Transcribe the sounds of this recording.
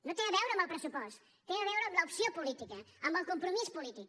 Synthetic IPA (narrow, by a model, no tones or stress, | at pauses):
nɐ̃w̃t̪ẽj̃ɐðɛwɾɐmalˠpɾɛsupɔʃt̪u | t̪ẽj̃ɐðɛwɾɐmlaupsiɐpulˠit̪ikɐãmãlkõmpɾumisu̥pulit̪iku